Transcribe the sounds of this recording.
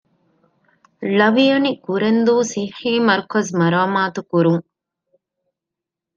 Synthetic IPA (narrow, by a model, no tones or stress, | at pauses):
lɐʋijɐnikuɾend̪uːsihiːmɐɾkosmɐɾɐɐmaːt̪ukuɾuŋ